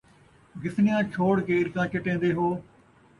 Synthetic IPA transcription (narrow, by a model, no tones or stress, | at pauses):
ɡɪsnɪjãːt͡ʃʰoːɽkeːɪɾkãːt͡ʃəʈẽːnd̪eːɦoː